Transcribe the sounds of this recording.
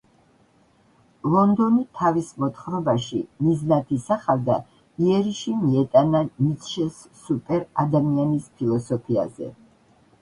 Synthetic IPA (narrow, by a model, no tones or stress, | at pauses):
lˠɔnd̪ɔnit̪ʰavismɔt̪χɾɔbaʃimiznat̪ʰisaχavd̪a̰ | iɛɾiʃimiɛt̪ʼananit̪ʃɛsːupʼɛɾad̪amianispʰilˠɔsɔpʰia̰zɛ̰